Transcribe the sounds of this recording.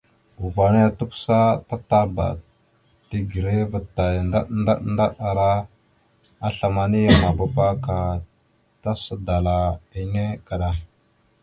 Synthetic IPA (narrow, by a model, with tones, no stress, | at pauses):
u˨va˨ni˦a˨tu˦ksa˦ta˦ta˦ɾba̰˨ | ti˦ɡi˨ɾe˦və˨tːa˨jnda˦nda˦nda˦ɗa˨ɾa˦ | a˦ɬa˨ma˨ni˦ja˦ma˨ba˦pa˦ka˨ | ta˦sə˦da˨la˨i˦ne˦ka˨ɗa˦